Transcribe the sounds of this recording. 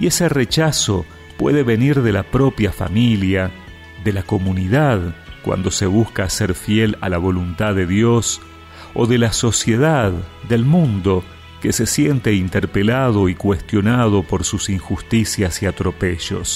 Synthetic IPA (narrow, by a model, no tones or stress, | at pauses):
ie̞seret͡ʃaso̞ | pweðe̞βe̞niɾðe̞lapɾo̞pjafa̰milja | ðelako̞muniðaðkwa̰nd̪o̞se̞β̞uskaseɾfjela̰laβ̞o̞lunt̪aðeðjo̞s | o̰ðe̞laso̞sje̞ðaðd̪e̞lmũnd̪o̞ | kese̞sje̞nt̪eint̪eɾpelað̞o̞ikwe̞st̪jo̞nað̞o̞po̞ɾsusiŋxust̪isjasiat̪ɾo̞pe̞ʒo̞̰s